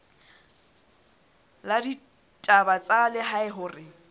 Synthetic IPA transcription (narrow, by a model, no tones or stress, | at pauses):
ladi | tʼabat͡sʼalɪɦaɪɦʊːrɪ